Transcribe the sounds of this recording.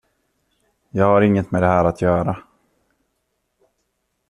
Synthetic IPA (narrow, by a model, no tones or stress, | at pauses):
jɑːɡhaɾɪŋːət̪mɛd̪ɛɦæːɾat̪ʰjœːɾa